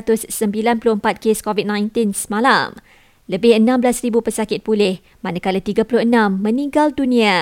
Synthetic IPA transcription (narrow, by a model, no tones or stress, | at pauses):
t̪ʊsːəmbilanpulʊəmpat̪̚keskɔvit̪̚nãjnt̪ɪnsəmãla̰m | ləbɪhənãmblasɾibupəsakɪt̪̚pulɪh | manakalat̪iɡapulʊhənãmːə̃nĩŋɡaldunĩa